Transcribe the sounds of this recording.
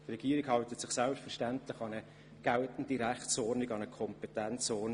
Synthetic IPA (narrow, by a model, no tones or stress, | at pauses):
trɛɡ̥iːɾɪɡhɑwtətsɪχsalpstfɛɾʃtæntlɪχɑnə | ɡ̥altn̩diɾæχtsɔːɾnɪɡɑnəkʰɔmpɛtænt͡sɔː